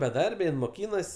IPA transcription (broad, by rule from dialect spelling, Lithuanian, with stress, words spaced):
bʲɛˈdɐrʲbʲɛ jɪn moːˈkʲiːnɐs